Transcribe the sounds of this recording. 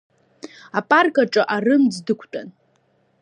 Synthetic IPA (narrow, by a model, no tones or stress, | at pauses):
apʼarkʼaʈ͡ʂʼaʔarɨmd͡zdɨkʷʰtʼan